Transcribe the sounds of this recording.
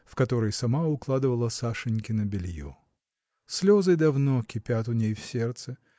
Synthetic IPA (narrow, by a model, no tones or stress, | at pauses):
fkɐt̪o̞ɾəjsɐmaʊklˠad̪ɨvəlˠəsaʂɨnʲkʲɪnəbʲɪlʲjo̰ | sʲlʲo̞zɨd̪ɐvnokʲɪpʲat̪ʊnʲejfsʲe̞rt̪sɨ